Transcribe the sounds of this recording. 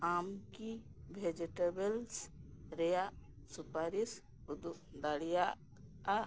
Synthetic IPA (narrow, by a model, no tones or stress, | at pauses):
aːmkibʱed͡ʒiʈebelsɾeja | supaːɾis | ud̪ud̪aɽija